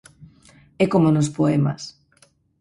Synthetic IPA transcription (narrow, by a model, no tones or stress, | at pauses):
ɛkomonospoema̰s